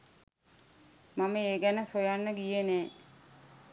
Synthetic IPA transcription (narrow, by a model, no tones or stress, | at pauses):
maməeːɡænəsojanːəɡijeneː